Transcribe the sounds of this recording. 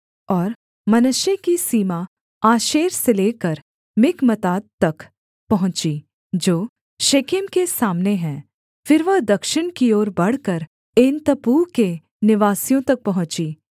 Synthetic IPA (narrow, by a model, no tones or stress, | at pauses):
ɔːɾ | mɐnʊʃjekisiːma | aːʃeːɾseleːkəɾ | mɪkmət̪aːd̪̚t̪ɐk | pɐɦʊ̃t͡ʃi | d͡ʒoː | ʃeːkɪmkesaːmneɦɛ̃ː | fɪɾʋɐɦd̪ɐkʃɪnkioːɾbɐɽ̤kəɾ | ɪnt̪ɐpuːke | nɪʋaːsijõt̪ɐk̚pɐɦʊ̃t͡ʃiː